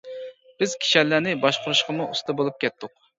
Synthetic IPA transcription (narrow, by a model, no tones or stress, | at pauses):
b̥ɪz̥kʲʰi̥ʃɛlːænɪbɑʃqʰʊɾuʃqʰəmuust̪ʰɨbolˠup̚kʲʰɛt̪ʰːʊq̚